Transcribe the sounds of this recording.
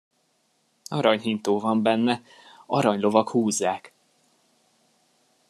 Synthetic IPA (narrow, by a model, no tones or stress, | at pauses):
ɒɾɒɲɦint̪oːvɒmbɛnːɛ | ɒɾɒɲlo̞vɒkhuːzːaːk